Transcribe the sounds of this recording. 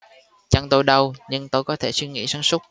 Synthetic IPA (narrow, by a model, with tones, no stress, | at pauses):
t͡ɕa˧ŋt̪o˧jɗə˧wɲɨ˧ŋt̪o˧jkɔ˨˦t̪ʰe˧˩swi˧ŋḭ˧˥saː˨˦nsʊ˦˥k͡p̚